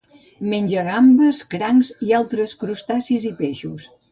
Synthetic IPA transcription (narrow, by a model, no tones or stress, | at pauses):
menʲʒəɣambəskɾaŋzialˠt̪ɾəskɾust̪asizipeʃus